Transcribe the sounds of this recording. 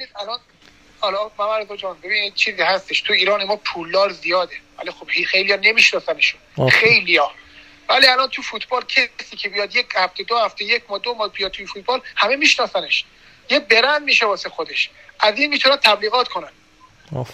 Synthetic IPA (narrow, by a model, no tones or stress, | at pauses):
eniːd̪ælɒn | ɒːlɒmæmæɾzɒd͡ʒɒːnbe̞biːnid̪̥̚t͡ʃʰiːziːhæst̪eʃt̪ʰuiːɾɒːnemɒːpʰulːɒːɾzijɒːd̪evæ̰lixobhixejlijɒːne̞miːʃnɒːsæneʃoxejlijɒː | væliælɒːnt̪ʰufut̪ʰbɒːlcʰesiːcʰebijɒːd̪jechæft̪ʰed̪ohæft̪ejecʰmɒːd̪omɒːhbijɒːd̪t̪ʰːujefuːt̪̚b̥ɒːlhæme̞miːʃnɒːsæneʃ | jebe̞ɾænd̪miːʃebɒːsexo̞d̪e̞ʃ | ʔæziːnmiːt̪ʰunæn̚t̪ʰæbliːɣɒːt̪kʰo̞næn